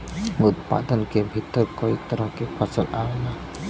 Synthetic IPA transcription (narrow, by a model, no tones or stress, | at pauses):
ut̪̚pa̰d̪ɔnkebʱit̪ɔɾkɔit̪ɔɾɔhkepʰasɔlʔawna